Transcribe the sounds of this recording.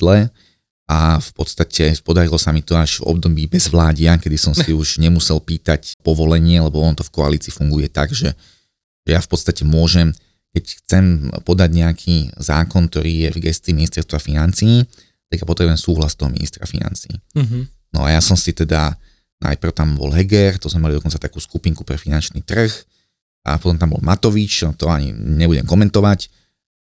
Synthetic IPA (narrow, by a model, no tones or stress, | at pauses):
d̪lɛ | afpɔt̪st̪acʰɛpɔd̪aɾilɔsamit̪ɔaʒvɔ̰bd̪ɔbiːbɛzʋlaːɟɪakɛd̪isɔmsiuʒɲɛmusɛlpiːt̪acpɔʋɔlɛɲɪɛlɛbɔɔnt̪ɔfkɔaliːt͡siːfuŋɡujɛt̪aɡʒɛ | ʒ̥ɛjafpɔt̪st̪acɛmʊɔʒɛm | kɛcxt͡sɛmpɔd̪aɟɲɛakʰiːzaːkɔnkt̪ɔɾiːjɛvɡɛst͡siminist̪ɛɾst̪ʋafinant͡siː | t̪aɡjapɔt̪ɾɛbuʊjɛmsuːɦlast̪ɔɦɔmḭnḭst̪ɾa̰fḭna̰nt͡sḭː | nɔ̰a̰jasɔmsit̪ɛd̪a | na̰jpr̩ʊt̪ambɔ̰lɦɛɡɛrt̪ɔzmɛmalid̪ɔkɔnt͡sat̪akuːskupiŋku̥pɾɛfinant͡ʃnḭːt̪r̩x | ʔa̰pɔt̪ɔmt̪ambɔ̰lmat̪ɔʋit͡ʃt̪ɔaɲḭɲɛbuɟɛ̰mkɔmɛnt̪ɔʋac